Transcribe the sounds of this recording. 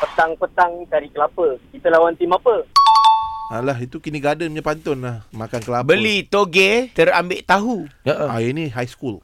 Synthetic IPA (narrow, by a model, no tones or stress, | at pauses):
pət̪aŋpət̪aŋk̪aɾikəlapəkit̪əlawant̪imapə | alaɦit̪ukiniɡadəmɲapant̪ʊnlahmakankəlabəlit̪oɡet̪əɾambeʔt̪aɦuəʔajəniɦajskul